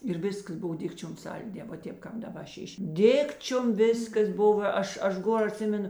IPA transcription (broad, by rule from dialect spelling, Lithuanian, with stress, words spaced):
ɪr ˈʋʲɪskɐs ˈbʊw ˈdʲɪkt͡ʃʲoːm ˈsɐlʲˌdʲeː ʋɐ ˈtʲeːp ˈkɑːp dɐˈbɐ ˈʃʲɪʃʲ ˈdʲɪkt͡ʃʲoːm ˈʋʲeːskɐs ˈbʊʋɐ ˈɐʃ ˈɐʃ ˈɡoːr ɐˈtʲsʲɪmʲɛnʊ